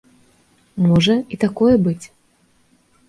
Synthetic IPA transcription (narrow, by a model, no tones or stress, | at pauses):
mɔʐɐit̪akɔjɛbɨt͡sʲ